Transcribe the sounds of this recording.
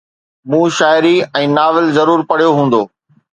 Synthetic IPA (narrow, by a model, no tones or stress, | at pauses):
mũːʃaːɪɾiɛ̃ːnaːʋɪlzɐɾuːɾpɐɽ̤ijoɦũːn̆d̪oː